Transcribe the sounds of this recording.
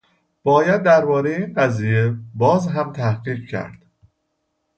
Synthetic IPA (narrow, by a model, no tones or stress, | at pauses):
b̥ɒːjæd̪̚ːæɾbɒːɾejeinɢæziːjebɒːzɦæmt̪ʰæhɢiːɡcʰæ̰ɾd̪̥